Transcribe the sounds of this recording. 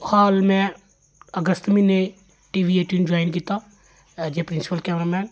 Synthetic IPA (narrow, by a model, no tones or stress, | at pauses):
haːlmɛ̃ː | əɡəst̪mĩne | ʈiːʋieːʈjund͡ʒoːɪnkiːt̪aː | d͡ʒepɾɪ̃nsɪ̥pəlkeːmɾamɛ̃ːn